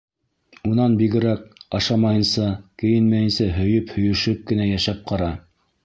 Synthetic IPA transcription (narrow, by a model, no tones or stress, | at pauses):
unɑnbiɡɘ̆ɾæk̚ɑʃɑmɑjɤ̆nsɑkɘ̆jɘ̆nmæjɘ̆nsæɦɵ̆jɵphɵ̆jɵ̆ʃɵp̚kɘ̆næjæʃæp̚qʰɑɾɑ